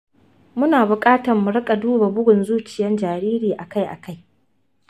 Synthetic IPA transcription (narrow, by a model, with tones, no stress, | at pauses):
mʊ˦naː˨bʊ˨kʼaː˦tɐ˨rmʊ˨ɽɪ˦kʼa˨duː˦ba˨bʊ˦ɡʊ˨nzuː˦t͡ʃɪ˨jɛ˦nd͡ʒaː˨ɾiː˦ɾiː˨ʔa˨ka˦jʔa̰˨ka˦j